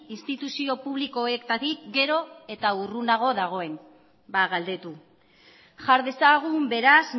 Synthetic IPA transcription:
inst̪it̪usio̞puβliko̞ekt̪at̪ikɡe̞ɾo̞e̞t̪aurunaɣ̞o̞ðaɣ̞o̞e̞n | baɣald̪e̞t̪u | ʝaɾðe̞saɣ̞umbe̞ɾas

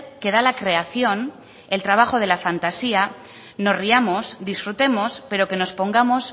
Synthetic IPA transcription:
ke̞ð̞alakɾe̞aθjo̞n | e̞lt̪ɾaβ̞axo̞ð̞e̞lafant̪asia | no̞sriamo̞sd̪isfɾut̪e̞mo̞spe̞ɾo̞ke̞no̞spo̞ŋɡamo̞s

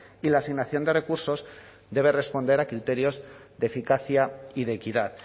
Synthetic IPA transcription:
ilaːsiɣnaθjo̞nd̪e̞re̞kuɾso̞z | d̪e̞β̞e̞re̞spo̞nd̪e̞ɾakɾit̪e̞ɾjo̞zðe̞fikaθjaiðe̞ːkiðað

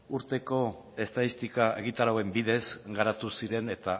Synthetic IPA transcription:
uɾt̪e̞ko̞ | e̞st̪aðist̪ikae̞̰ɣ̞it̪aɾawe̞mbiðe̞sɡaɾat̪usiɾe̞ne̞t̪a

